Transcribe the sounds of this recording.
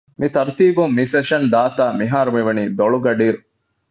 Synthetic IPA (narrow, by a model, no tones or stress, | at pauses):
mit̪ɐɾt̪iːbumːiseʃɐnd̪aːt̪aːmiɦaːɾumiʋɐniːd̪oɭuɡɐɖiːɾu